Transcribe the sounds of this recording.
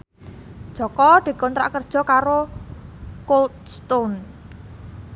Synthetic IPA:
d̥ʒ̥ɔ̤kɔd̪̥i̤kɔnt̪ɾa̰ʔkərd̥ʒ̥ɔ̤kaɾo | kolt̪st̪on

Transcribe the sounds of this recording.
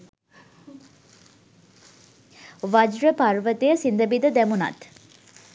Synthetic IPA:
ʋad͡ʒɾəpaɾʋət̪ejəsind̪əbid̪əd̪æmunɐ̰t̪

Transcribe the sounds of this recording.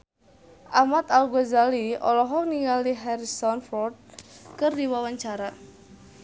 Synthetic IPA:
ʔamat̪alɡɔzaliɔ̰lɔɦɔkniŋaliɦɛɾisɔnfɔrd̪̚kərdiwawaɲt͡ʃaɾa

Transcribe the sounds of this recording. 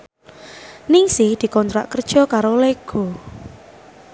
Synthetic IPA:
nɪŋsɪhd̪̥i̤kɔnt̪ɾa̰ʔkərd̥ʒ̥ɔ̤kaɾoleɡ̥o̤

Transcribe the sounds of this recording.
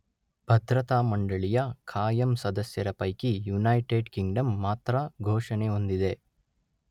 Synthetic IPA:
bʱɐd̪ɾɐt̪aːmɐɳɖɐɭijɐkʰaːjɐmsɐd̪ɐsjɐɾɐpɐjkijunɐːjʈeːɖkiŋɡɖɐmːaːt̪ɾɐɡʱoːʂɐneo̞nd̪id̪e̞

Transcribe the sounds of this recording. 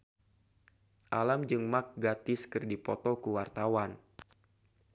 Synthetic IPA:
ʔalamd͡ʒɨŋmak̚ɡat̪ɪskɨrdipɔt̪ɔkuwart̪awan

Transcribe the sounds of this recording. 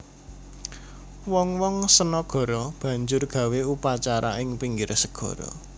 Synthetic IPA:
wɔŋwɔŋsənɔɡ̥ɔ̤ɾɔb̥ä̤ɲd͡ʒʊrɡ̥a̤weupat͡ʃaɾa̰ɪŋpiŋɡiɾsəɡ̥ɔ̤ɾɔ̰

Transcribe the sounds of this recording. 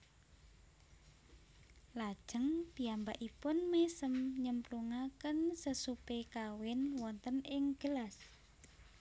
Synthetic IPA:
lad̥ʒ̥ə̤ŋpi̤ambaʔipʊnmesəmɲəmpluŋakənsəsupekawɪnwɔnt̪ənɪŋɡ̥əlas

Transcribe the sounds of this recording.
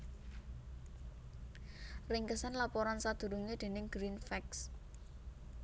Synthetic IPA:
rɪŋkəsanlapɔɾansad̪̥ṳɾuŋed̪̥e̤nɪŋɡ̥ɾinfɛks

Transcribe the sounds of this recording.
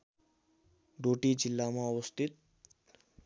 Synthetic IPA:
ɖoʈid͡ʒilːamãɔwəst̪ʰit̪̚

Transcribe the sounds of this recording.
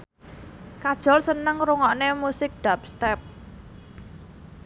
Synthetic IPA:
kad̥ʒ̥ɔ̤lsənəŋɾuŋɔʔnemusɪk̚ɖ̪̥ap̚st̪ɛp̚

